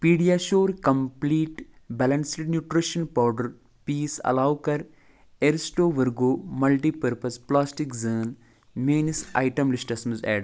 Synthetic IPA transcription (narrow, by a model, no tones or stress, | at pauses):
piːɖijaːʃoːɾkɐmpliːʈ | bɛlɐnsɖnjuːʈɾiʃɐnpaːɖɐɾ | piːsɐ̰laːwkɐɾ | eɾsʈoːʋɐɾɡoːmɐlʈiːpɐɾpɐsplaːsʈikzəːn | meːnisa̰ːjʈɐmlisʈɐsmɨzɛ̰ːɖ